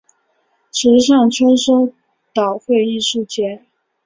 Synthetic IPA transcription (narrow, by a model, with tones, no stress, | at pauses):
ʈ͡ʂ̩ʰ˧˥ʂ̬ɑ˥˩ŋʈ͡ʂʰə˥ʂo˥ʊ | t̪ɑ˨˩ʊxwe˥˧ɪi˥˧ʂu˥˩t͡ɕjɛ˧˥˦n